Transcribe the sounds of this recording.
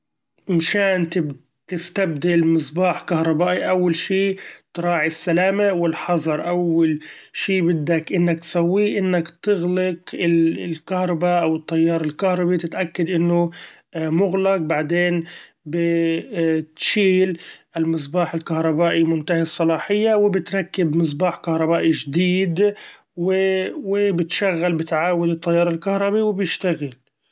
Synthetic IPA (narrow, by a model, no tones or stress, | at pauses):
ʔɪmʃaːnt̪ɪb | t̪ɪst̪ab̚d̪ɪlmɨs̬ˤbɑːħkahɾˤɑbaːʔiʔawːalʃiːt̪ɾˤɑːʕisːalaːmawɪlħɑzˤɑɾˤʔawːalʃiːbɪd̪ːakʔɪnːak̚t̪sawːiʔɪnːakt̪ɪɣlɪkɪllkahɾˤɑbaʔawɨt̪ˤːɑjːɑːɾˤɪlkahɾˤɑbit̪ɪt̪ʔakːad̪ʔɪnːʊ | ʔmʊɣlaq̚baʕd̪eːn | bɪ | t̪ʃiːlʔɪlmɨs̬ˤbaːħɪlkahɾˤɑbaːʔimʊnt̪ahɑsˤːɑlɑːħɪjːawɪbɪt̪ɾˤɑkːɪbmɨs̬ˤbaːħkahɾˤɑbaːʔiʒd̪iːd̪ | wɪwɪbɪt̪ʃaɣːalbɪt̪ʕaːwɪd̪ɨt̪ˤːɑjːɑːɾˤɪlkahɾˤɑbiwɪbjɪʃt̪aɣɪl